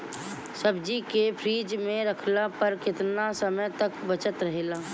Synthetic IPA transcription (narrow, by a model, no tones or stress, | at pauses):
səbd͡ʒikepʰɾiːd͡ʒmẽɾəkʰlapəɾkɪt̪nasəməjt̪əkbət͡ʃət̪ɾəɦeːlaː